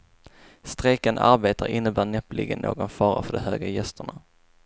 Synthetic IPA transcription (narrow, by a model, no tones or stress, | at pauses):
st̪ɾekəna̰ɾbeːt̪aɾɪnːəbæːɳɛplʔɪ̰ɡənːoːɡɔnfɑːɾa̰fœɖɔɦøːɡajɛst̪əɳa